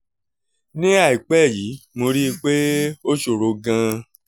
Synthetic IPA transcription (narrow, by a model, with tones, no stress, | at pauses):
nĩ˦a˦˨i˨k͡pɛ˦˨ji˨˦mo˧ɾi˦˧k͡pe˦o˦ʃo˨ɾo˨˦ɡã˧